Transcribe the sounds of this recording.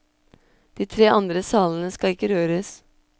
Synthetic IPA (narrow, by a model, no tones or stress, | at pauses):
d̪̥iːt̪ʰɾeːʔɑnd̪ɾəsɑːln̩əskɑɪkːəɾøːɾəs